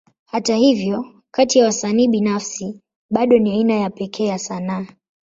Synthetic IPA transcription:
hatahivjɔ | katijawasaniːɓinafsi | ɓaɗɔniainajapɛkʰɛːjasanaː

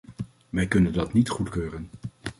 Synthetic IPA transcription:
ʋɛjkɵnəndɑtnitχutkøːrən

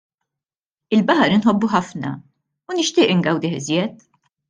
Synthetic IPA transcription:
ɪlbɐħɐɾɪnħɔbːuħɐfnɐ̰ | unɪʃt̪ɪːʔɪŋɡɐwd̪ɪħɪzjɛt̪

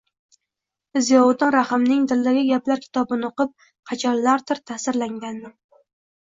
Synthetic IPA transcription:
ɪzjɒwʊd̪ɪnɾahɪmnɪŋd̪ɪld̪aɡʲɪɡʲaplaɾkʲʰɪ̥t̪ʰɒbɪnɪoqɨp̚ | qʰɑt͡ʃʰɒllːaɾt̪ʰɪɾt̪ʰasɪɾlaŋɡʲand̪ɪ

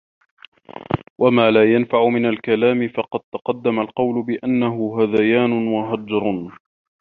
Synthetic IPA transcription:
wamaːlaːjanfaʕʊmɪnalkalaːmɪfɑqɑd̪̚t̪ɑqɑd̪ːamalqɑwlʊbɪʔanːaɦʊɦaðajaːnʊnwaɦad͡ʒɾˤ

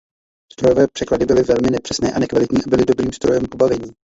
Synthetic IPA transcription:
st̪ɾojovɛːpr̝̥ɛkladɪbɪlɪvɛlmɪnɛpr̥ɛsnɛːʔanɛkvalɪt̪ɲiːʔabɪlɪdo̞bɾiːmst̪ɾo̞jɛmpo̞bavɛɲiː

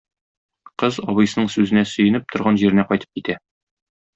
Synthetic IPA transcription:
qɤzɒβɤ̆jsɤ̆nɤɴsʉzɘ̆næsɵ̆jɘ̆nɘp̚t̪ʰŏɾʁɑnʑiɾɘ̆næqɒjt̪ɤ̥p̚kit̪æ

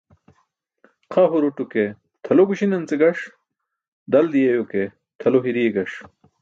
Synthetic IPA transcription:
qʰɐɦuɾuʈuke | t̪ʰɐloɡuɕinɐnt͡seɡɐʂ | d̪ɐld̪ijejoke | t̪ʰɐloɦiɾijeɡɐʂ

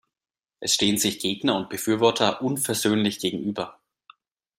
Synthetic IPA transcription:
ʔɛsʃteːənzɪçɡ̥eːɡnɐʊnt̚b̥əfyːɐvɔɐtʰɐʔʊnfɛɐzøːnlɪçɡ̥eːɡŋ̩ʔyːbɐ

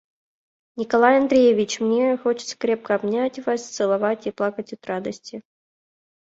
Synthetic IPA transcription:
nʲɪkalˠajɐnd̪ɾʲejevʲɪt͡ɕmnʲexot͡ɕɪ̥t̪sə̥kɾʲɛp̚kəabnʲatʲvasʲt̪sɨlˠavatʲiplˠakətʲɔt̪rad̪əsʲtʲɪ

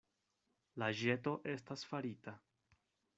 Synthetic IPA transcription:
laʒe̞to̞ʔe̞stasfaɾita

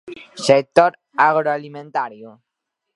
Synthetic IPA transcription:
sek̚t̪ɔɾ | aɣɾoalimẽnt̪aɾjo

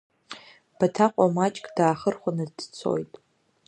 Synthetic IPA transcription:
b̥atʰaqʷʼamat͡ʃʼkʼd̥aːχərχʷanɨd̥t͡sʰo̞̰jtʼ

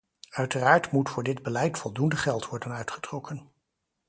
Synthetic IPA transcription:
œɥtəraːɹtmutfʊːɹdɪdbəlɛjtfɔlˠdundəχɛlˠtʋɔɹdənœɥtχə̥trɔkʰən

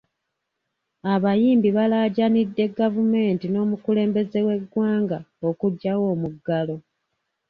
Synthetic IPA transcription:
aβajiːmbiβalaɟanidːe̞ɡavume̞ːntino̞ːmukule̞ːmbe̞ze̞we̞ɡwaːŋɡaokuɟːawo̞ːmuɡːalo̞

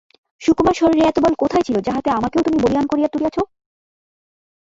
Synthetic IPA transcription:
ʃukmaɾʃɔɾiɾeɛt̪obɔlkot̪ʰaet͡ɕʰilod͡ʑaɦat̪eamakeot̪umiboliankoɾijat̪uɾijat͡ɕʰo

